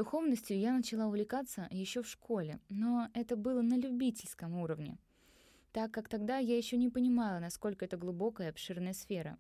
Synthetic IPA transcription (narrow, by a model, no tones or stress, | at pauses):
d̪ʊxo̞vnəsʲtʲjʊjanət͡ɕɪlˠaʊvlʲɪkat̪səjɪɕːo̞fʂko̞lʲɪ̰no̞ɛt̪əbɨlˠənəlʲʊbʲitʲɪlʲskəmuɾəvnʲɪ̰ | t̪akːakt̪ɐɡd̪ajajɪɕːonʲɪpənʲɪmalˠənɐsko̞lʲkəɛt̪əɡlˠʊbo̞kəjəɐpʂɨrnəjəsfʲeɾə̰